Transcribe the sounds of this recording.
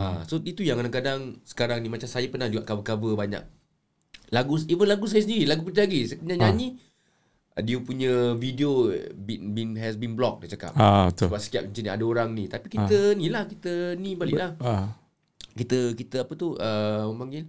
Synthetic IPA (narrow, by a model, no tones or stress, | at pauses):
a̰soit̪ujãŋkadaŋkadaŋsə̥kaɾaŋnimat͡ʃamsajapənahd͡ʒuɡaʔkavəkavəbaɲa̰k̚ | laɡuivənlaɡus̬ajəsəndiɾilaɡupət̪ilaɡiskəɲaɲaɲi | diəpuɲəvidiobibinɦɛsbinblɔk̚dat͡ʃaka̰p̚abət̪əbap̚sə̥kiap̚kəɲt͡ʃənia̰daoɾaŋnit̪apikit̪ənilahkit̪ənĩbaliʔlah | kit̪əkit̪əapət̪uʔəməmpaŋɡɪl